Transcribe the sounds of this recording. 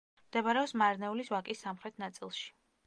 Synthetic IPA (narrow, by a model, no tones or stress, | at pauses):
md̪̥ɛbaɾɛɔpsmaɾnɛulisvakʼisːamχɾɛt̪ʰnat̪sʼilˠʃi̥